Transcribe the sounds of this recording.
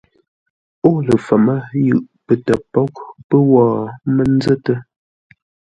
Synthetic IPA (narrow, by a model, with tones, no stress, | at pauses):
o˦˨lə˨fə˨mə˦jʉ˨ʔ | pə˨tə˨pɔ˦k̚pə˦wɔː˦˨mə˦n˦zə˦tə˦